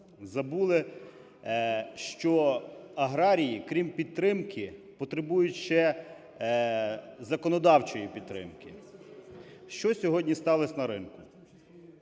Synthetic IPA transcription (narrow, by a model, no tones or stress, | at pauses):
zɐbulˠɪ | ʃt͡ʃɔɐɦɾɑɾʲijikɾʲimpʲid̪̚t̪ɾɪmkʰɪpɔt̪ɾɪbujʊtʲʃt͡ʃɛ | zɐkɔnɔd̪ɑwt͡ʃɔjipʲid̪̚t̪ːɾɪ̰mkɪ | ʃt͡ʃɔsʲɔɦɔdʲnʲist̪ɑlˠɪsʲnɐɾɪnkʊ